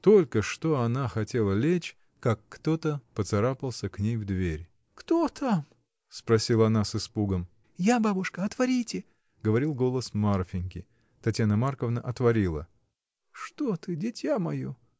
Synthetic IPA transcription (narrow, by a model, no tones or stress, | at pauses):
t̪o̞lʲkəʂt̪o̞ɐnaxɐtʲe̞lˠəlʲet͡ɕ | kakːt̪o̞t̪əpət̪sɐɾapəlˠsʲəknʲejvd̪vʲeɾʲ | kt̪ot̪ʰam | spɾɐsʲilˠəɐnasɨspuɡəm | jababʊʂkəɐt̪vɐɾʲitʲɪ | ɡəvɐɾʲilˠɡo̞lˠəsmarfʲɪnʲkʲɪ | t̪ɐtʲjanəmarkəvnəʔɐt̪vɐɾʲilˠə̰ | ʂt̪ot̪ɨdʲɪtʲjamɐjo